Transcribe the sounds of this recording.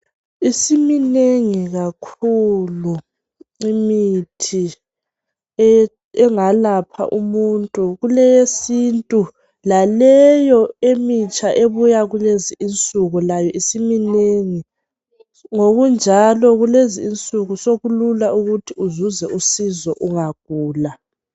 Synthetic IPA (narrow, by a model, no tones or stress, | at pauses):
isimineŋiɣakʰulu | imitʰi | ɛ | ɛŋalapʰa̰ʔumuntʼuɣulɛjesintʼu | lalɛjɔemit͡ʃʼʰaʔeβujaɣuleziːnt͡sʼuɣulajɔʔisimineŋi | ŋoɣund͡ʒʱalɔɣuleziːnt͡sʼuɣusoɣululauɣutʰiuzuzɛusizɔʔuŋaɡ̥̚ʱuːla